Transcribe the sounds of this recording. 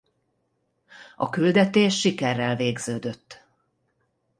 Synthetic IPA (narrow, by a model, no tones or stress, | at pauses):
ʔɒ̰kyld̪ɛt̪eːʃːikɛrːɛlveːɡzøːd̪ø̞t̪ː